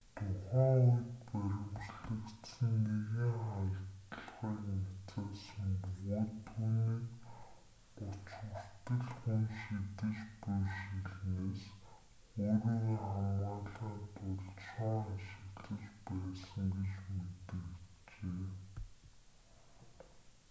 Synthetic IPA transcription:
t̪ʰʊχaːŋʊj̆t̪̚pæɾʲɪ̆mt͡ɕɮɘ̆kt̪sə̆nːeɣeŋχajə̆t̪t̪ə̆ɮʁiːkmett͡saːsə̆ŋwuːt̪ʰːuːniːk | ʊt͡ɕə̆r̥t̪ə̆ɮxunʃit̪ɘ̆t͡ɕpʊjʃiɮneːs | oːɾiːɣːχamɢaːɮaːt̪ʊɮsɔaʃɪ̆kɮɘ̆t͡ɕpæːsə̆ŋɡet͡ɕmet̪ɘ̆kit͡ɕeː

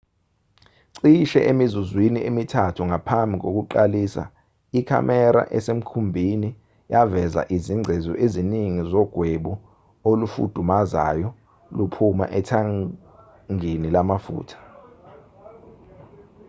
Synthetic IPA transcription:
ǀiʃɛ̰ʔemizuzwiniʔemitʰatʰuŋapʰambʱik̬ok̬uǃaliːsa̰ | ikʰa̰mɛɾa̰ʔɛsem̩kʰumbʱini | javɛza̰ʔiziŋ͡ǀʱezɔ̰ʔeziniŋizɔɡ̥ʱweɓu | olufṵd̥ʱumaza̰jɔ | lupʰuma̰ʔɛtʰa | ŋinilamafṵːtʰḁ

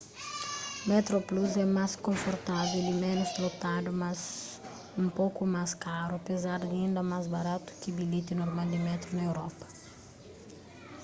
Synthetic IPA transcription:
met̪ɾopluzɛmaskõɱfoɾt̪avelimɛ̃nʊst̪ɾot̪ad̪umaz | ũmpokumaskaɾʊɐpezaɾd̪ĩnd̪ɐmazbaɾat̪ʊ̥kɪbilit̪inoɾmald̪ɪmɛt̪ɾunɐewɾɔpɐ̥

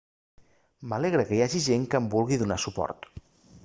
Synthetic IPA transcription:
məleɣɾəkəjaʒiʒeŋkəmbulˠɣiðunasupɔ̰ɾt̪

